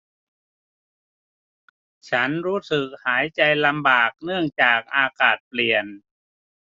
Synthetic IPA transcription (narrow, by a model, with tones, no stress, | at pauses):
t͡ɕʰa˦˥nɾuː˦˥sɯ˨˩k̚haː˩˦jt͡ɕa˧jla˧mbaː˨˩k̚nɯ˥˩əŋt͡ɕaː˨˩k̚ʔaː˧kaː˨˩t̪̚pli˨˩ən